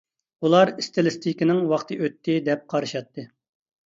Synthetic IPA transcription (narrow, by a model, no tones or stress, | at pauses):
ulˠɑɾist̪ɨlɪst̪ʰikʲɪnɪŋwɑχt̪ʰɨʔøt̪ʰːɪd̪ɛp̚qʰɑɾɨʃɑt̪ʰːɨ